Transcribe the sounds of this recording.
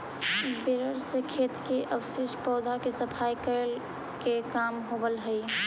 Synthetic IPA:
beɾəɾsekʰet̪keʔəbsɪʃpɔːd̪ʱakesəpʰajkəɾəl | kekamɦobəlɦəi

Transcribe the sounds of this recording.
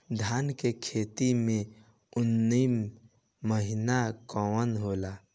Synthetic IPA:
d̪ʱaːnkekʰeːt̪imẽ | ʊnːimː | əɦɪnakɔwənɦoːlaː

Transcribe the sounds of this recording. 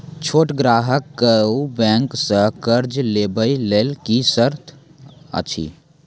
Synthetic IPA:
t͡ʃʰoːʈɡɾaːɦəkːəubɛ̃ːŋksəɦkəɾd͡ʒleːbəileːlkisəɾt̪ʰə̰t͡ʃʰḭ

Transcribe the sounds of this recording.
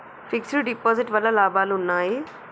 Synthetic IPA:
fʰiksluɖipoːziʈʋɐlːɐlaːbʱaːluunːaːji

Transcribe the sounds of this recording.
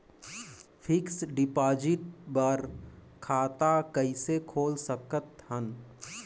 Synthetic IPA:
pʰɪksɖɪpaːd͡ʒɪʈ̚bəɾ | kʰaːt̪akəisekʰoːlsəkət̪ɦən

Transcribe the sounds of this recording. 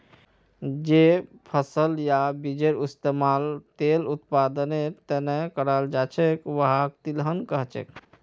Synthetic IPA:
d͡ʒepʰəsəljabid͡ʒeɾist̪emalt̪elut̪pad̪ənet̪ənɛkəɾald͡ʒat͡ʃʰɛkʋəɦak̚t̪ilɦənkəɦt͡ʃɛ̰k

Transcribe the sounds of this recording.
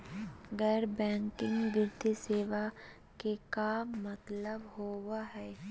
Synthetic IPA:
ɡəɾbɛ̃ːŋkɪ̃ŋɡɡɪɾd̪ʱiseːʋa | kekamːət̪ləbɦoːwaɦɛː

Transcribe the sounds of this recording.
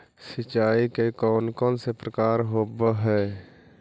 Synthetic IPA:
sət͡ʃaːikekɔːnkɔ̃ːnsepɾəkaːɾɦoːbəɦɛː

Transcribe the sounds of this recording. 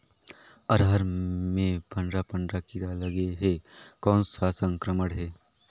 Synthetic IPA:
ɐɾɦəɾmẽpɐ̃ɳɖɾapə̃ɳɖɾakiɾalɐɡeɦekɔːnsasə̃ŋkɾəməɽɦɛː

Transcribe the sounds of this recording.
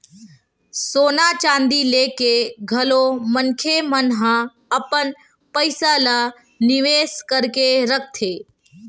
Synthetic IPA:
soːnat͡ʃãːnd̪ileːkeɡʱəlomənkʰemənɦə̃ | əpən | pəɪsalə | nɪʋeːskəɾkeɾək̚ʰt̪ʰeː

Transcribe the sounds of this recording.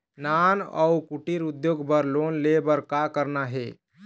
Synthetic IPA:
nanə̰wkuʈiɾud̪joɡbəɾlonlebəɾkakəɾnaɦe

